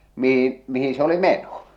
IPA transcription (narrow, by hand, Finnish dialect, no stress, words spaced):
mihin mihĩː se oli meno